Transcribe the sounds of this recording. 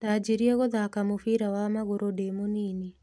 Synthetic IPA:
tad͡ʒiɾieɣoðakamofiɾawamaɣoɾodemonini

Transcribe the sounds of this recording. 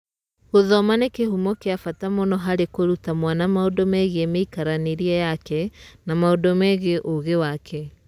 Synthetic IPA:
hoðɔmanekehumɔkeafatamɔnɔɦaɾekoɾutamwanamaodɔmɛɣemeikaɾaneɾiɛjakɛnamaodɔmɛɣeʔoɣewakʰɛ

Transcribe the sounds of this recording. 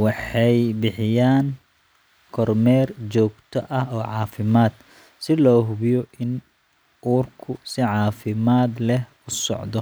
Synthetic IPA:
wɑħɑjbɪħɪjaːŋ | kʰɔrmɛːrt͡ʃɔːɡt̪ʰɔʔɐɦɔːʕɑːfɪmaːd̪̥ | sɪlɔːɦʊβjɔʔɪn | uːrkʰʊsɪʕɑːfɪmaːd̪lɛh | ʊsɔ̰ʕd̪ɔ

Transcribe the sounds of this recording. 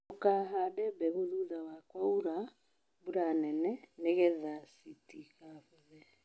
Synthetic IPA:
okaɦadɛbɛɣoðuðawakwauɾa | buɾanɛnɛneɣɛðasitiɣaβɔðɛ

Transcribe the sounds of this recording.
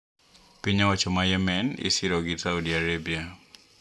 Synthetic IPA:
piɲawat͡ʃɔmajɛmɛnḭsɪɾɔɡɪsaudiaɾebia

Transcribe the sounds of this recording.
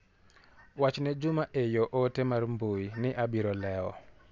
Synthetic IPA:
wat͡ʃnɛd͡ʒʊmaʔejoʔotemarmbuinɪʔabiɾɔlɛɔ̰

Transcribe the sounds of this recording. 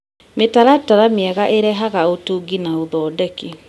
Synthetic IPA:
metaɾataɾameɛɣaʔeɾɛɦaɣaotuːɡinaoðɔːdɛke

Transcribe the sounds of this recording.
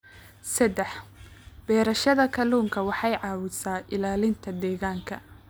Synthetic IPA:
sɐd̪ɛħb̥ɛːɾɐʃɐðɐkʰɐluːŋkʰɐwɑħɑjʕɑːwʊsaːʔɪlaːlɪnt̪ʰɐd̪ɛːɣaːŋkʰɐ̰

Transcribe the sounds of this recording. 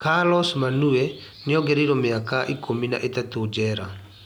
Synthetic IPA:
kalɔsmanuɛ | nɪɔɡɛɾiɾɔmɪakaʔikʰomina̰ʔetatod͡ʒɛɾa̰

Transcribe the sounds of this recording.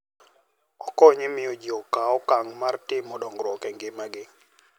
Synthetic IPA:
ɔkɔɲɪmɪɔd͡ʒiɔkaɔkaŋmartɪmːɔɗɔŋɡɾwɔkɛŋɡɪmaɡɪ

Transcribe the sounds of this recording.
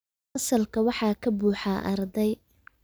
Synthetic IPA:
ɐsɐlkʰɐwɑħɑːkʰɐbuːħaːʔɐrd̪ɛj

